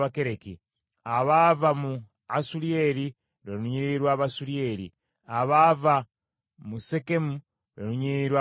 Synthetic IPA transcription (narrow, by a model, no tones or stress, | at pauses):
βakeɾekḭ | aβavamu | asulieɾi | ɾenuɲiɾiɾwaːβasulieɾḭ | aβava | musekemu | ɾa̰nuɲiiɾwa